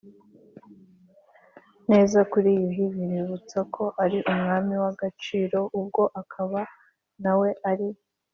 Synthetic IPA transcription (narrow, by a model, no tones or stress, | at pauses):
ne̞ːzakuɾiːjiɦiβiɾiβut͡sakʰo̞ʔaɾiʔumŋaːmiwaɡat͡ʃiːɾo̞ʔub̚ɡo̞ʔakʰaβa | nawe̞ʔaɾi